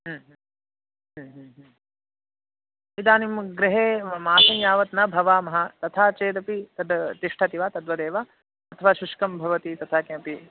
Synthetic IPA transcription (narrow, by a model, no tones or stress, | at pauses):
ɦːɦ | ɦːɦːɦ | id̪aːnimɡɾiɦeːmaːsɐ̃ŋjaːʋɐt̪nɐbʱɐʋaːmɐɦɐt̪ɐt̪ʰaːt͡ʃeːd̪ɐpit̪ɐd̪t̪iʂʈʰɐt̪iʋaːt̪ɐd̪ʋɐd̪eːʋa | ɐt̪ʰɐʋaːʃuʃkɐmbʱɐʋɐt̪it̪ɐt̪ʰaːkẽːpi